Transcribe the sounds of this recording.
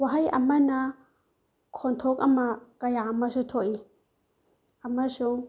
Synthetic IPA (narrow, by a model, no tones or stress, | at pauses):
waɦajʔɐmːɐna | kʰɔnt̪ʰokʼɐmːakɐjaamːɐʃut̪ʰoʔi | ɐmːɐʃu